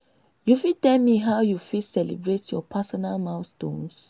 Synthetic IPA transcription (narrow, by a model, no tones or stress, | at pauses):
jufitɛlmiɦawjufisɛlḭbɹetjɔpʰasɔnalmãwstõ̰ns